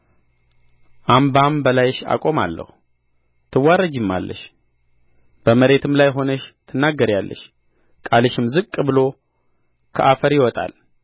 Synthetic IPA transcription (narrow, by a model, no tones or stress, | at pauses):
ʔambambəlajʃa̰kʼo̞ma̰lːə̰hu | t̪ʰɨwːaɾəd͡ʒɪmːa̰lːə̰ʃ | b̥əməɾe̞t̪ʰɨmlajɦo̞nəʃt̪ʰɨnːaɡːəɾjalːə̰ʃ | kʼaləʃɪmzɨkʼːbɨlo̞ | kʰəʔafəɾjɪwɔt̪ʼa̰l